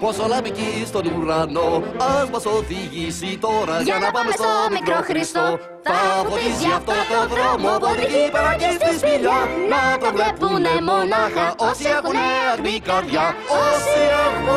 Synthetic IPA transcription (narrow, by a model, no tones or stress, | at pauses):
posolɐbicist̪o̞niɾɐnoɐnbɐsoðiʝisit̪o̞ɾɐʝɐnɐpɐmest̪omikɾoxɾist̪o | θɐffoɾisiɐft̪ot̪oðɾɾomopoðikipɐɾɐcit̪izmiʎɐnɐpɾovlepunemonɐxɐʔosiekuneɐɾmikɐɾʝɐosi